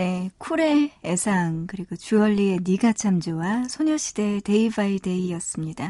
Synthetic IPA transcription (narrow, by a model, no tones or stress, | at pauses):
ne̞kʰuɾe̞ːsʰaŋkɯɾiɡot͡ɕuʌʎːie̞niɡat͡ɕʰamd͡ʑowasʰoɲʌɕʰid̥e̞te̞ibaite̞iʌs͈ɯmɲida